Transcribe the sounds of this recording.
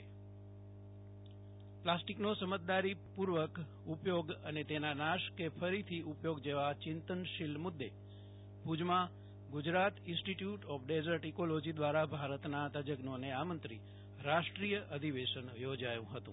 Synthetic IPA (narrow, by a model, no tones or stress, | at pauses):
plasʈiknosəmət̪̚d̪aɾipuɾʋək | upjoɡənet̪enanaʃkefʰəɾit̪ʰiʔupjoɡd͡ʒeʋat͡ʃɪnt̪ənʃɪlmʊd̪ːe | pud͡ʒmã | ɡʊd͡ʒɾat̪ɪ̃nsʈiʈjuʈɔfʰɖezəɾʈikolod͡ʒid̪ʋaɾabʱaɾət̪nat̪əd͡ʒəɡnoneamənt̪ɾi | ɾaʃʈɾijəʔəd̪ʱiʋeʃənjod͡ʒajũɦət̪ũ